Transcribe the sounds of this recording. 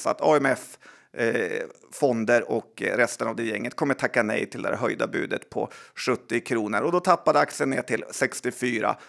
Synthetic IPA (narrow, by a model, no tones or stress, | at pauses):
sa̰t̪ʰɑːɛmɛf | fɔnd̪əɾɔkɾɛst̪ənavd̪ɛjɛŋːət̪̚kʰɔmːəʈ̪ʰakːanɛ̰jt̪ʰɪld̪ɛ̰hæ̰ɾɦœjd̪a̰bʉ̟ːd̪ət̪pʰɔ̰ʂɵt̪ːɪkʰɾuːnəɾɔd̪ɔt̪ʰapːad̪əak̚t̪sɪənːḛːʈɪlsɛkst̪ɪfyːɾa̰